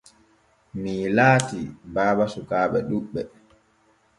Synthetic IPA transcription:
milaːtibaːɓasukaːɓɛɗuɓːɛ

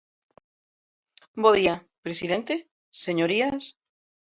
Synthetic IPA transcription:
boðia | pɾesiðent̪e | seɲoɾias

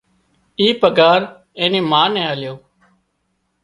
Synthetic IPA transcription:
iːpəɡaːɾ | ẽːniːmaːnɛ̃ːaːljoː

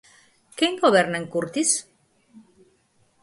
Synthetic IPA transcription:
keŋɡoβeɾnaŋkuɾt̪is

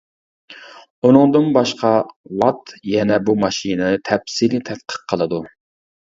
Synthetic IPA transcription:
unɨŋd̪ɨnbɑʃqɑlɑt̪jɛnɛbumɑʃinɨt̪ʰɛpsilɪt̪ʰɛt̪qʰə̥q̚qʰːəlˠɨd̪u

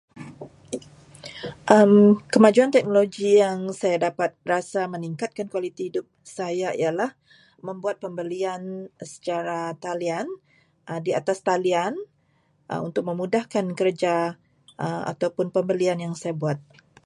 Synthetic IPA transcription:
ʔəmkəmad͡ʒuant̪ɛk̚noloɡijaŋsajadapat̪̚rasaməniŋkat̪̚kankuwalit̪ihidʊp̚sajaḭalah | məmbuat̪̚pəmbəliansə̥t͡ʃaɾat̪alian | ʔədiat̪ast̪alian | ə̰ṵnt̪ʊk̚məmudahkankərd͡ʒa | ʔəma̰t̪awpʊnpəmbəlianjaŋsajabuat̪̚

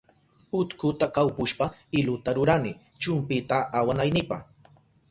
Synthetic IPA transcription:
ʊt̪kʊt̪akawpʊʃpaɪlʊt̪aɾʊɾanɪ | t͡ʃʊmpɪt̪aːwanajnɪpa̰χ

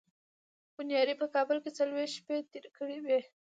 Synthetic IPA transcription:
b̥ʊnjɑd̪ipəkɑbəlket͡salwehʃpet̪eɾkəɽiwi

